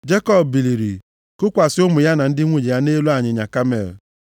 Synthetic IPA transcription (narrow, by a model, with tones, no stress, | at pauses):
d͡ʒe˦kɔ˦bbi˨li˨ɾi˨ | kʊ˦kʷa˨sɪ˦ʊ˦mʊ˨ja˦na˨n̩˦dɪ˦ŋʷu˦d͡ʒi˨ja˦ne˦lu˦a˦˨ɲɪ˨ɲa˨ka˦mḛ˨l